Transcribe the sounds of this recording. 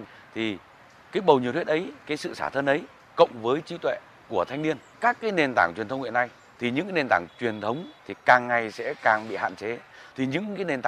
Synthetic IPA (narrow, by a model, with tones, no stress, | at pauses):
t̪ʰi˨˩ | kaː˨˦jɓə˨˩wɲi˨t̪ʰwʔə˨˦jkaː˨˦jsɨ̰˧˨saː˧˩t̪ʰə˧nʔə˨˦j | kə̰˧˨wŋ͡mvəː˨˦jt͡ɕi˨˦t̪wḛ˧˨ | ku˧˩ət̪ʰa˧jŋ̟ni˧ən | kaː˦˥kːaː˨˦jne˨˩nt̪aː˧˩ŋt͡ɕwi˨˩nt̪ʰə˦wŋ͡mhḭ˧˨ə˨na˧˩j | t̪ʰi˨˩ɲɨ̰˧˥ŋkaː˨˦ne˨˩nt̪aː˧˩ŋt͡ɕwi˨˩ənt̪ʰə˨˦wŋ͡mt̪ʰi˨˩kaː˨˩ŋːa˨˩jsɛ̰˧˥kaː˨˩ŋɓḭ˧˨ha̰ː˧˨nt͡ɕe˨˦t̪ʰi˨˩ɲɨ̰˧˥ŋkaː˨˦jne˨˩nt̪a˧˨